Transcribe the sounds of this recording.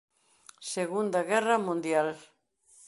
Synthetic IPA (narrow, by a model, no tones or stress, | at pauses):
seɣund̪ɐɣɛrɐmũnd̪jal